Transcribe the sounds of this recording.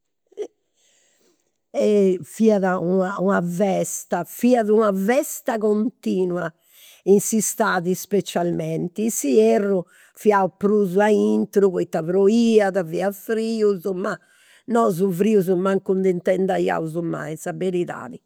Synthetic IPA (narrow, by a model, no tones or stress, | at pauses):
ɛfiaðaunaunavɛst̪afiaðunavɛst̪akont̪iːnwa | insist̪aːðispet͡ʃalmɛnt̪isiɛrːu | fiaupɾuːzuaint̪ɾuβoit̪aβɾoiːaðaviafɾiːuzuma | nɔzufɾiːuzumaŋkund̪int̪ɛnd̪aja̰uzuma̰jsabeɾiða̰ːði